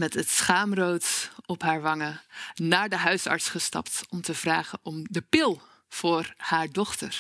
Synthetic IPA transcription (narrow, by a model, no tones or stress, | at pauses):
mɛtətsχaːmrowtɔpɦaːɹʋɑŋənaːɹdəɦœɥsɑ̰ɹtsχəstɑ̰ptɔmtəv̥raːχənʔɔmdəpɪlˠ | v̥ʊːɹhaːɹdɔχtəɹ